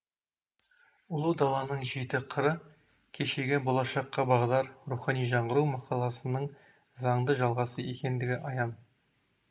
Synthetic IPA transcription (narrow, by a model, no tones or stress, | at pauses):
ʊlˠəd̪ɑlˠɑnəɴʒe̞t̪ɪqʰəɾə | kʲʰe̞ʃe̞ɡʲebo̞lˠɑʃɑqːɑbɑʁd̪ɑɾɾuχɑnijʒɑɴʁəɾuwmɑqɑlˠɑsənəɴ | zɑɴd̪əʒɑlˠʁɑsəje̞kʲe̞nd̪ɪɡʲɪʔɑjɑn